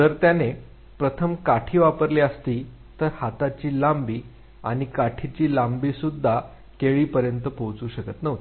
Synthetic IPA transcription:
d͡zəɾt̪jane | pɾət̪ʰəmkaʈʰiːʋapəɾliːəst̪iː | t̪əɾhat̪at͡ɕiːlambiː | a̰ɽ̃ikaʈʰit͡ɕiːlambiːsud̪ʱːa | keɭiːpəɾjənt̪əpowt͡suːɕəkət̪nəʋ̪

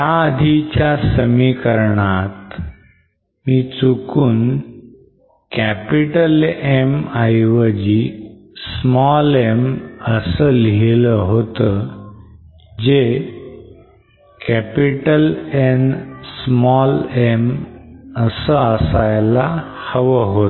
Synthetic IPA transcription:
jaəd̪ʱit͡ɕjasəmikəɾɳat̪ | miːt͡sukuːn | kæpiʈəlemajʋəd͡ʑi | smɔleməsəleləɦot̪ə | d͡ʑe | kæpiʈəlensmɔlem | əsəəsajlahəʋəɦot̪

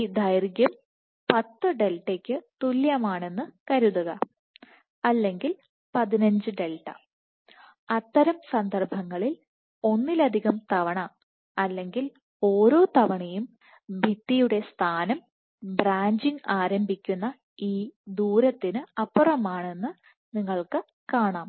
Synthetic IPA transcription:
id̪ɐjrɡjɐm | pɐt̪ːɨɖe̞lʈːekʲːɨt̪uljɐmaːɳe̞nːɨkɐɾuðuɣɐ | ɐlːe̞ŋɡil | pɐðinɐɲd͡ʑɨɖe̞lʈːɐ̰ | ɐt̪ːɐɾɐmsɐnd̪ɐrbʱɐŋːɐɭil | o̞nːilɐd̪ʱiɣɐmt̪ɐʋɐɳɐ | ɐlːe̞ŋɡil | o̞ːɾo̞ːt̪ɐʋɐɳejum | bʱit̪ːijuɽe̞st̪ʰaːnɐm | braːɲd͡ʑiŋɡaːɾɐmbʱikʲːunːɐ | iːd̪uːɾɐt̪ːinɨɐpːurɐmaːɳe̞nːɨ | niŋːɐɭkɨ | kaːɳaːm

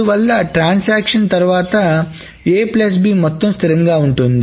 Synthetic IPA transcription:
uʋɐlːɐʈɾaːnsaːkʂɐnt̪ɐɾuʋaːt̪ɐ | eːplɐs̬biːmɔt̪ːɐmst̪ʰiɾɐŋɡaːuɳʈund̪i

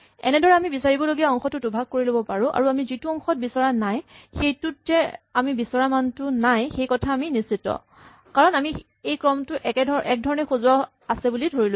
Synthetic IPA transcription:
ɛ̰nɛdɔɹɛamibisaɹibɔloɡiaɔŋxɔtʊtubʱaɡ̚koɹilobɔpaɹʊ̃ʔa̰ɹuamizituɔŋxɔt̚bisɔɹanajxejtʊtːɛamibisɔɹamantʊnajxejkɔtʰaːminisitːɔ̰ | kaɹɔnami | ejkɹɔmtʊʔɛkɛdʱɔʔɛk̚dʱɔɹɔnɛxozʊwa | asɛbulidʱoɹilo

